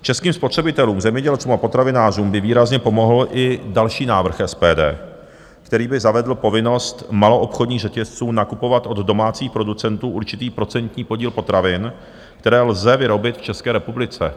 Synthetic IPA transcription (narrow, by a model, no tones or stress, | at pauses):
t͡ʃɛskiːmspo̞t̪r̝̥ɛbɪt̪ɛluːmzɛmɲɛɟɛlt͡suːmapo̞t̪ɾavɪnaːr̝uːmbɪviːɾazɲɛpo̞mo̞ɦl̩ʔɪdalʃiːnaːvr̩xɛspɛːdɛ̰ː | kt̪ɛɾiːbɪzavɛdl̩po̞vɪno̞st̪malo̞ʔopxodɲiːɣʐɛcɛst͡suːnakupo̞vat̪ʔo̞d̪do̞maːt͡siːxpɾo̞dut͡sɛnt̪uːʔuɾt͡ʃɪt̪iːpɾo̞t͡sɛnt̪ɲiːpo̞ɟiːlpo̞t̪ɾavɪn | kt̪ɛɾɛːlzɛvɪɾo̞bɪt̪ft͡ʃɛskɛːɾɛpublɪt͡sɛ̰